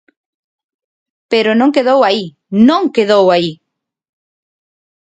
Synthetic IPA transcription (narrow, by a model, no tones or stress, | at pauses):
peɾonõŋkeðowai | nõŋkeðowai